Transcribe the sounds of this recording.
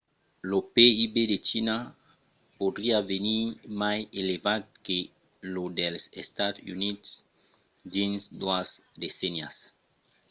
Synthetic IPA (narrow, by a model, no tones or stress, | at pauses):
lopeibed̪et͡ʃina | pod̪ɾiavenimajelevad̪̚ke | lod̪elsest̪ad̪ṵnit̪s | d̪insd̪uasd̪esɛnja̰s